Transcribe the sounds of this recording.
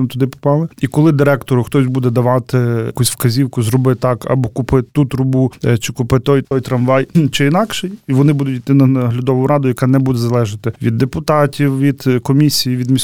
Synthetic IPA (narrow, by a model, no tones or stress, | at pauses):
t̪ʊd̪ɪpɔ̥pɑlˠɪikɔlˠɪd̪ɪɾɛkt̪ɔɾʊxt̪ɔsʲbud̪ɛd̪ɐʋɑt̪ɪkusʲwkɐzʲiwkʊzɾɔbɪt̪ɑkɐ̰bɔkʊpɪt̪ut̪ɾʊbut͡ʃɪkʊpɪt̪ɔjt̪ɔjt̪ɾɐmʋɑjt͡ʃɪinɑkʃɛjʋɔnɪbud̪ʊtʲit̪ɪnɐɦlʲʊd̪ɔʋʊɾɑd̪ʊjɐkɑnɛbud̪ɛzɐlˠɛʒɐt̪ɪʋʲid̪ːepʊt̪ɑtʲiwʋʲid̪̥kɔmʲisʲijiʋʲid̪mʲisʲ